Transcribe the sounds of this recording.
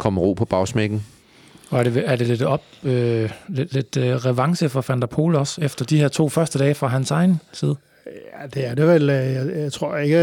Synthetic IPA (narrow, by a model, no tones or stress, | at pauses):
kʰɒ̽mʁo̝̰ːpʰɒ̽b̥ɑ̈ʊsmeɡ̥n̩ | ɒ̽æɐdeːɐd̥e̝le̝d̥ɒ̽b̥øled̥le̝d̥ʁɛʋɑ̈ŋsəfɒfænd̥æpʰo̝̰ːləɒ̽sefd̥ɐd̥iheɐ̰t͡sʰo̝̰ːfɶɐsd̥əd̥ɛːfʁɑ̈ɦænsɑ̈ɪnsiːð̞ˠə | jæd̥e̝æɐd̥eʋeljaɪɪt͡sʰʁo̝ɐ̰e̝ɡ̥ə